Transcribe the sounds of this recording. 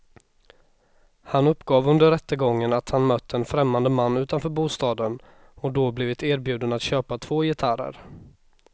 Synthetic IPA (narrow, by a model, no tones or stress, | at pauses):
hanɵpːɡɑːvɵnd̪əɾɛt̪ːəɡɔŋːənat̪hanmœt̪ːəɛnfɾɛmːand̪əmanːʉ̟ːt̪anfœːɾbuːst̪ɑːd̪ən | ɔd̪ɔblɪːvɪt̪eːɾbjʉ̟ːd̪ənat̪ɕøːpat̪ʰv̥oːjɪt̪ʰaɾə̰ɾ